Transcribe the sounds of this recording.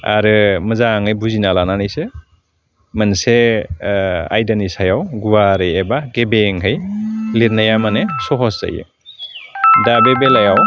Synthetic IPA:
a̰ɾɯmɯzaŋɯjbuzinalananɯjsɯ | manse | a̰jdanisajawɡuwaɾɯjebaɡebeŋɦɯjliɾnajamanesɔɦɔsza̰jɯ̰ | dabebelajaw

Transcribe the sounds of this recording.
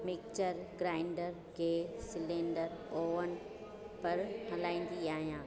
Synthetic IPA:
mɪk̚t͡ɕəɾɡɾaːɪɳɖəɾ | ɡeːsɪlẽːɳɖəɾoːʋən | pɐɾɦɐlaːĩːn̆d̪iaːɦijãː

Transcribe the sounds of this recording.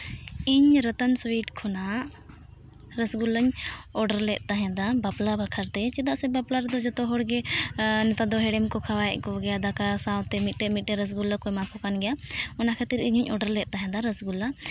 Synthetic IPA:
iɲɾət̪ənswiʈkʰɔnaʔ | ɾəsɡuləɲɔɖəɾlɛʔ̪̚ˀt̪aɦɛ̃d̪abaplabʱəkʰəɾt̪ɛt͡ʃɛd̪aʔsɛbaplaɾɛd̪ɔd͡ʒɔt̪ɔɦɔɽɡɛnɛt̪ad̪ɔɦɛɽɛmkɔkʰawaɛʔkɔɡɛjad̪akasawt̪ɛmit̪̚ˀʈɛmit̪̚ˀʈɛɾəs̬ɡuləkɔmakʰɔkanɡɛjaɔnakʰɛt̪iɾiɲuɲɔɖəɾlɛʔ̪̚t̪aɦɛ̃d̪aɾəsɡula

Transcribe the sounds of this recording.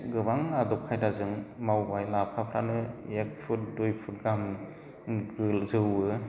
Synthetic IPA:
ɡɯbaŋadɔp̚kʰajdazɯŋmawbajlapʰapʰɾanɯek̚pʰut̚dojpʰut̚ɡam | ɡɯlzɯwɯ

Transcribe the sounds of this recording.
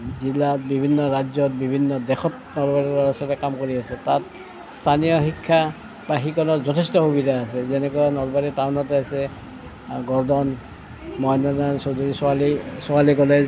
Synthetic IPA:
zilatbibʱinːɔɹad͡ʒɔt̚bibʱinːɔdɛxʰɔt̚ | nɔlbaɹiɔɹɔsɔtɛkamkoɹiasɛtat | stʰanijɔxikʰːa | baxikɔnɔtzɔtʰestɔxubidʱaːsɛzɛnɛkuanɔlbaɹitaʊnɔtɛasɛ | ɡɔɹdɔn | mɔjnɔnansoduɹisalisʊalikɔlɛ

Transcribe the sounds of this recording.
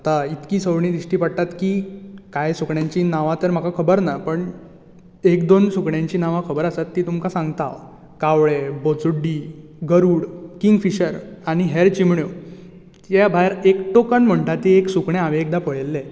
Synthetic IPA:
at̪ait̪kiːsəʋɳiːd̪ɾiɕʈiːpəɽ̚t̪at̪kiːkajsukɳjãɲt͡ɕiːnaʋãt̪əɾm̤akakʰəbəɾnapəɳ | ekd̪onsukɳjãɲt͡ɕiːnaʋakʰəbəɾasat̪ːiːt̪umkasãŋɡt̪a̰ʋ | kaʋɭebot͡suɖːiːɡəɾuːɽkiŋɡfiɕəɾaɽ̃iɦeɾt͡ɕimɳjo | jabʱajɾekʈokənm̤əɳʈat̪ieksukɳẽaʋeek̚d̪apəɭlːẽ

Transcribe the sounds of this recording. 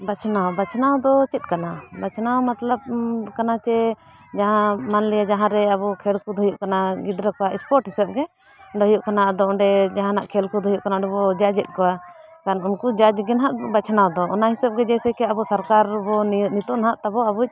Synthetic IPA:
bat͡ʃʰnawbat͡ʃʰnawd̪ɔt͡ʃɛt̪̚kanabat͡ʃʰnawmat̪lab̚kanat͡ʃɛ | d͡ʒaɦãmanlɛjad͡ʒaɦãɾɛabɔkʰɛɽkud̪ʱɔjuʔkanaɡid̪ɾəkɔwaʔɛspɔɾʈɦisɛb̚ɡɛ | ɖɔjuʔkanaʔad̪ɔɔɳɖɛd͡ʒaɦãnaʔkʰɛlkud̪ʱɔjuʔkanadɔbɔd͡ʒad͡ʒɛt̪̚ˀkɔwa | kanunkud͡ʒad͡ʒɡɛnɦaʔbat͡ʃʰnawd̪ɔʔɔnaɦisɛb̚ɡɛd͡ʒɛjsɛkɛabɔsaɾkaɾbɔnit̪ɔʔnaɦaʔt̪abɔabuc̚ˀ

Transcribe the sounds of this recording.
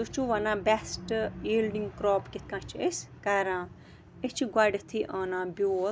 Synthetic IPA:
d̪ut͡ʃʰuʋɐnãːbɛsʈiːlɖiŋɡkɾɔːpkʲet̪ʰkãːt͡ʃʰieskaɾãː | et͡ʃʰiɡʷaɖet̪ʰiʔaːnãːbʲoːl

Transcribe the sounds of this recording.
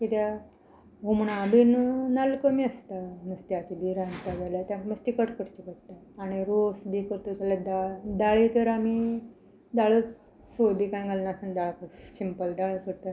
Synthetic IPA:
kit̪ja | ɡumɳabinnalkəmiəst̪aməst̪iat͡ɕibiɾãnt̪ad͡zaljat̪jaməst̪ikəʈkəɽt͡ɕikəɽt̪aːɽ̃iɾosbikəɾt̪ot̪alad̪ad̪aɭit̪əɾami | d̪aɭət͡s | sojbikañɡalnasənd̪aɭkəsimpəld̪aɭkəɾt̪a

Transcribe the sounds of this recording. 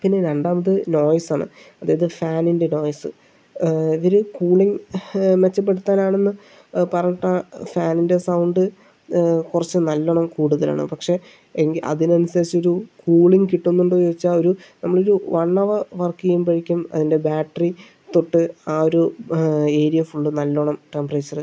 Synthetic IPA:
pinːeɾeɳɖaːmɐðɨno̞ːjsaːɳɨ̰ɐðaːjɐðɨfaːninde̞no̞ːjɐsɨ̰ | iʋɐɾukuːɭiŋmet͡ɕːɐpːe̞ɽut̪ːaːnaːɳe̞nːɨ | pɐrɐɲːɐʈːaːfaːninde̞sɐwɳɖɨ | kurɐt͡ɕːɨnɐlːɐɳɐmkuːɽuðɐla̰ːɳɨ̰pɐkʂe̞ | eŋɡiɐ̰ðinɐnisɐɾit͡ɕːo̞ɾukuːɭiŋkiʈːunːuɳɖoːoːit͡ɕːao̞ɾunɐmːɐɭoɾuʋɐɳːɐʋɐʋɐrkijumpɐɻikʲːumɐ̰ðinde̞baːʈːɐri | t̪oʈːɨaːo̞ɾu | e̞ːɾijɐfuɳɖɨnɐlːoɳɐmʈe̞mpreːt͡ɕːɐrɨ

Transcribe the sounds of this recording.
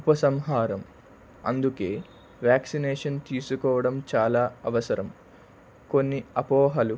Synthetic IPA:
upɐsɐmɦaːɾɐm | ɐ̰nd̪uke̞ː | ʋjaːksineːʂɐnt̪iːsukɔːʋɐɽɐmt͡ʃaːlaːɐʋɐsɐɾɐm | ko̞nːiɐpɔːɦɐlu

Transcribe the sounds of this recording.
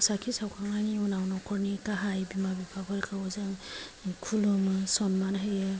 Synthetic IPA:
sakʰisawkʰaŋajniɔnawnɔkʰɔɾnikaɦajbimabipʰakʰɔɾkʰawɔzaŋkʰulɔmɯsɔnmanɦajɯ

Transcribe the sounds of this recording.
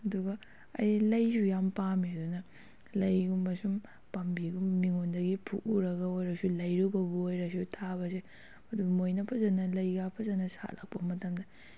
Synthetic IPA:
ɐduɡɐ | ɐ̰jlɐjsujampamiɐdunɐ | lɐjɡumbɐsum | pɐmbiɡumːiŋondɐɡipʰṵkuɾɐɡɐojɾɐsulɐjɾubɐbuojɾɐs̬utʰabɐse | ɐdubmojnɐpʰɐzɐnɐlɐjɡapʰɐzɐnɐsa̰lʔa̰k̚pɐmɐtɐmdɐ

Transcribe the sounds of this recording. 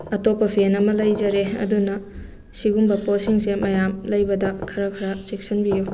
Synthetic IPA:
ɐtopːɐpʰenɐmɐlɐjd͡ʒɐɾeɐ̰dunɐ | siɡumbɐposiŋsemɐjamlɐjbɐdɐkʰɐɾɐkʰɐɾɐt͡ʃek̚sɐnbijo

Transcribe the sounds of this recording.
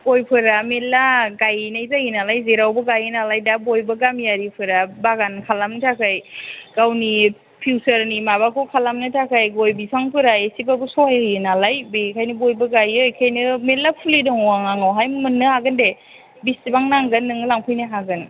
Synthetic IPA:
ɡojpʰɯɾamelaɡajnajzajinalajzeɾawbɯɡajɯnalajdabojbɐɡamjaɾipʰɯɾabaɡankʰalamnɯtʰakʰajɡ̥awni | pʰiwsəɾnimabakʰɯwkʰalamnɯtʰakʰajɡojbisʰaŋpʰɯɾaesibabɯsɔhajjɯnalajbekʰajnɯbojbɐɡajɯjkʰajnɯmelːapʰulidɔŋɔaŋaŋawɦajmmɯnːɯhaɡɯnde | bistibaŋnaŋɡɯnːɯŋɯlaŋpʰɯjnɯɦaɡɯn

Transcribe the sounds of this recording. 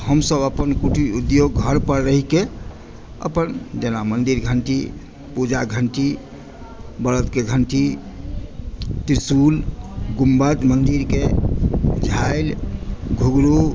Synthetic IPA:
həmsəbəpənkuʈiud̪joɡːɡʱəɾpəɾɾəɦike | ə̰pənd͡ʒənamənd̪iɾɡʱəɳʈi | pud͡ʒaɡʱəɳʈi | bəɾət̪keɡʱəɳʈi | t̪iɾsulɡumbət̪mənd̪iɾke | d͡ʒʱaɪlɡʱuɡɾu

